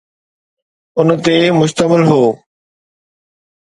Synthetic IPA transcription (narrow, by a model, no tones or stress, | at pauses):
ʊn̆t̪emʊʃt̪əmɪlɦoː